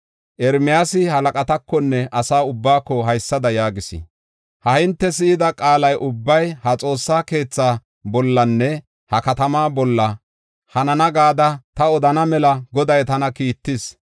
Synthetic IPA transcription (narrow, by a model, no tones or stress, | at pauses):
ʔɛɾmɪjaːsɪhɐlɐkʼɐt̪ɐkːɔnːɛʔɐsaːʊbːaːkːɔɦɐjsːɐd̪ɐjaːɡɪsɪ̰ | hɐhɪnt̪ːɛsɪɪd̪ɐkʼaːlɐjʔʊbːɐjhɐt͡sʼo̞ːsːaːke̞ːt͡sːaː | bɔlːɐnːɛ | hɐkɐt̪ɐmaːbɔlːɐ | hɐnɐnɐɡaːd̪ɐt̪ɐɔd̪ɐnɐmɛlɐɡɔd̪ɐjt̪ɐnɐkiːt̪ːɪs